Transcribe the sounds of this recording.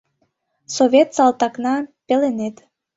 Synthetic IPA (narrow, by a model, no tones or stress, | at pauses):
soβʲet̪sɑlˠt̪ɑknɑpelenet̪